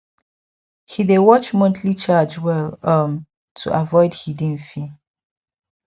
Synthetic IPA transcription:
hidewɔt͡ʃmɔ̃ntʰlit͡ʃad͡ʒwɛləm | tʰṵʔavɔɪdhidĩnfi

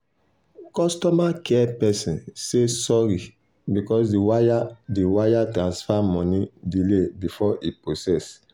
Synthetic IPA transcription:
kɔstɔmakɛpɛsĩnsesɔɾi | bikɔsdiwaadewajatɹãnsfamɔ̃nidilebifɔʔiposɛs

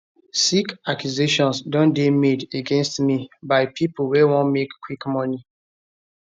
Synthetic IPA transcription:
sikakjuzeʃɔ̃nsdɔ̃ndemedeɡɛ̃nstmibaɪpʰiplwewɔ̃nmekːwikmɔni

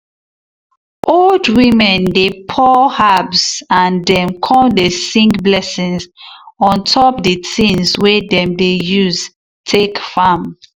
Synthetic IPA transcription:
ʔoldwĩmɛ̃ndepʰɔhabsãndɛ̃mkʰɔ̃mdesĩŋɡblɛsĩŋzɔ̃ntʰɔpdetĩnswedɛ̃mdejuz | tʰekfam

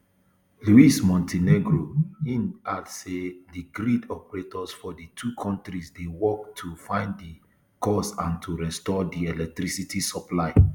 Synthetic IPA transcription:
luismɔ̃ntʰeneɡɹoĩnadsediɡɾidɔpɛɹetɔsfɔditʰukʰɔ̃ntɾisdewɔk̚tʰufãɪ̃nddi | kɔsãntʰuɹɛstɔdiɛlɛk̚tɾisitʰisɔplaɪ

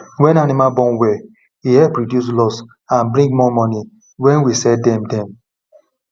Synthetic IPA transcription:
wɛ̃nanimabɔ̃nwɛ | ihɛpɾodjus̬lɔs | ãnbɾĩŋɡmɔmɔni | wɛ̃nwisɛdɛmdɛ̃m

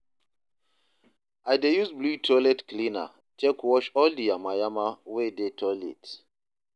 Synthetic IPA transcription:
ajdejuzblutʰɔlɛtklĩna̰ | t͡ʃɛkwɔʃɔldiamajamawedetʰɔlɛ̰t

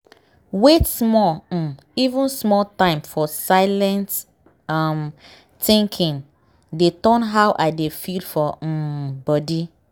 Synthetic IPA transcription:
wetsmɔ | ivũnsmɔltãɪ̃mfɔsaɪlɛ̃nt | am | tĩŋkʰĩŋ | detɔ̃nɦawʔaɪdefidfɔbɔdi

